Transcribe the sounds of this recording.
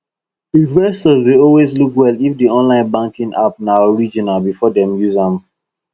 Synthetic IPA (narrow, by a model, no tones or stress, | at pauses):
ivɛsɔsdeɔlweslukwɛlifdiɔ̃nlãɪ̃nbãŋkĩŋʔa̰pnaɹid͡ʒĩnalbifɔdɛ̃mjuzãm